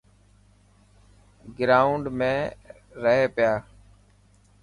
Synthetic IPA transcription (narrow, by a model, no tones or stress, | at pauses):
ɡɾaːʊɳɖmẽː | ɾəɦeːpɪjaː